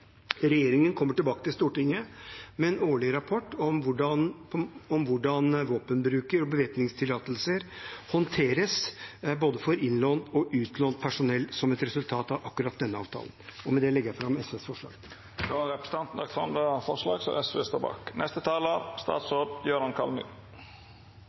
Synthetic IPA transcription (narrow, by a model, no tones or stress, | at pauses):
ɾɛjeːɾɪŋənkʰɔmːəʈɪlbɑːkət̪ɪlst̪uːʈɪŋːəmɛɛnoːɭɪɾɑpʰɔʈːɔmʋʊɖɑnʰɔmʋʊɖɑnʋoːpənbɾʉːkəɾɔbəʋeːp̪nɪŋst̪ʰɪlːɑːt̪əlsəɾhɔnt̪ʰeːɾəsboːd̪əfɔɾɪnloːnɔʔʉːt̪loːnt̪̚pʰæʂʊnɛlsɔmɛt̪ɾɛsʉlt̪ʰɑːt̪ɑʋɑkːʉɾɑt̪̚d̪ɛnːəɑ̰ːʋt̪ʰɑ̰ːlnɔmɛd̪ɛlɛɡəjæɪfɾɑmːɛsʋesfɔʂɭɑ̰ːɡ | d̪oɾɛpɾəsənɑnt̪n̩ɑk̪fɔnd̪ɑfɔʂlɑ̰ːɡsɔ̰ʔɛsʋḛst̪ʰɔbɑ̰ːknʔɛst̪ət̪ʰɑːləɾst̪ɑ̰ːt̪soːɖ̪jøːɾɑnkʰɑlmy̰ː